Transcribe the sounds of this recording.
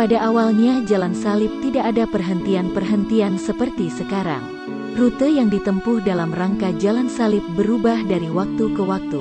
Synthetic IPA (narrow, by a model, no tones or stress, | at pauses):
padaʔawalɲad͡ʒalansalɪp̚t̪idaʔːdapərɦənt̪ianpərɦənt̪iansəpərt̪isəkaɾa̰ŋ | rut̪əjaŋdit̪əmpuhdalamraŋkad͡ʒalansalɪp̚bəɾubahdaɾiwak̚t̪ukəwak̚t̪u